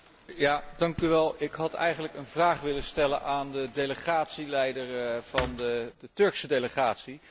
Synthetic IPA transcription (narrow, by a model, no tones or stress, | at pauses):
jaːdɑŋkyʋɛlˠɪkɦɑtɛ̰jχənləkənvraːχʋɪləstɛlənʔaːndədejləχaːtsilɛjdəɹv̥ɑndədətɵɹksədejləχaːtsi